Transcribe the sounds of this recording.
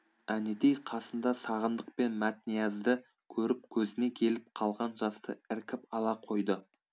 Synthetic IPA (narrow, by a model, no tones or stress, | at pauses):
æned̪ejqʰɑsənd̪ɑsɑʁənd̪əq̚pe̞nmæt̪nijɑzd̪ɪ | kʲʰɵɾɪp̚kʲʰɵzɪne̞kʲʰe̞lɪp̚qʰɑlˠʁɑnʒɑst̪əɪɾkʲɪpɑlˠɑqʰo̞jd̪ə